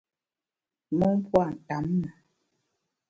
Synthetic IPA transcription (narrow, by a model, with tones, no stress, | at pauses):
mɔ˦pwa˦˨n̩˨ta˨˦mna˨